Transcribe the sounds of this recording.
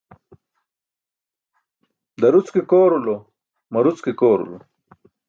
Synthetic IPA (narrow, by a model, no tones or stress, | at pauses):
d̪ɐɾut͡skekoːɾulo | mɐɾut͡skekoːɾṵlo̰